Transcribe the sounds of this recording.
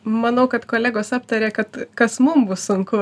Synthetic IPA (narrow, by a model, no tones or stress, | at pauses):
mɐnɐʊkɐt̪koːlʲæːɡoːsɑːpt̪ɐɾʲeːkɐt̪kɐsmʊmbʊssʊŋkʊ